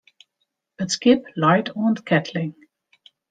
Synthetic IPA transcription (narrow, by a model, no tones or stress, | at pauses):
b̥ətskɪplaɪtʰɔ̃nd̪kʰætʰlɪ̃ŋ